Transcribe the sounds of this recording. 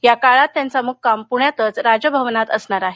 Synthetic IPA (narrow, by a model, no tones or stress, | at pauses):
jakaɭat̪ːjant͡samuk̚kampuɳjat̪ət͡sɾad͡ʑəbʱəʋnat̪əsɳaɾaɦe